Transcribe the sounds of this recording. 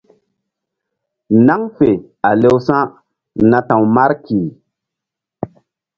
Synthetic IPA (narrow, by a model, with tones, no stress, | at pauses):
na˦ŋfe˨ | a˨le˦wsã˦ | nã˨tã˨wma˦ɾki˨